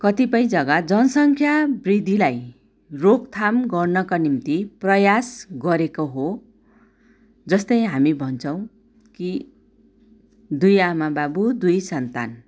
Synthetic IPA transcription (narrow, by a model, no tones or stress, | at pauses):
kʌt̪ipʌj̃d͡zʌɡad͡zʌnʌsʌŋkʰjabrid̪ʱilaj | rokt̪ʰamɡʌrnʌkanimt̪iprʌjasɡʌɾekoɦo | d͡zʌst̪ʌjɦamibʱʌnt͡sʰʌw̃ | ki | d̪ujamababud̪ujsʌnt̪a̰n